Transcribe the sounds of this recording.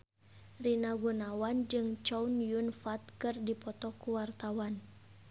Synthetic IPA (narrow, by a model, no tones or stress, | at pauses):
rinaɡunawand͡ʒɨŋt͡ʃɔunjunfat̪̚kɨrdipɔt̪ɔkuwart̪awan